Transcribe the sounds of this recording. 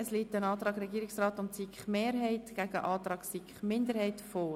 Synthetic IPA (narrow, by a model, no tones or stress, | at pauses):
əsliːt̪ənɑːt̪ɾɑːɡɾɛɡiːɪksrɑːtʊntsikχmeːɾɦɛɪtɡæɡəʔɑːt̪ɾɑːɡsikχmɪndəɾhɛɪtfɔː